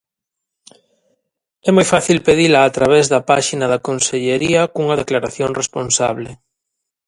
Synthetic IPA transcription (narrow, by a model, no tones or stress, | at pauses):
ɛmojfaθilpeðilɐːt̪ɾaβ̞ɛzðɐpaʃinɐðɐkonseʎeɾiɐkuŋɐðeklaɾaθjoŋresponsa̰βle